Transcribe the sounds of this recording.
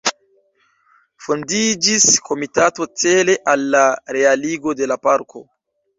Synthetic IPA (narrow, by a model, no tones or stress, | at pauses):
fondid͡ʒiskʰo̞mitato̞t͡se̞le̞ʔalːaɾe̞aliɡo̞de̞lapaɾkʰo̞